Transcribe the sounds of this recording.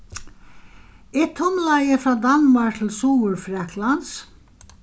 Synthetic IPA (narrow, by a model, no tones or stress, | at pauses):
ɪt̪ʰːʊmlajəfɾaːd̪anmaɹk̚t̪ʰɪlsuːʊɹfɾɛklans